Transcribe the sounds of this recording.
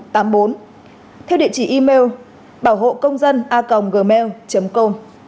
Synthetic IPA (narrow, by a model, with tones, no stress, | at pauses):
t̪aː˨˦mɓo˨˦n | t̪ʰɛ˧wɗḭ˧˨t͡ɕi˧˩ʔi˧me˧w | ɓaː˧˩wɦo̰˧˨kə˧wŋ͡mzə˧nʔaː˧kə˨˩wŋ͡mɣəː˨˩mɛ˧wt͡ɕə˨˦mko˧m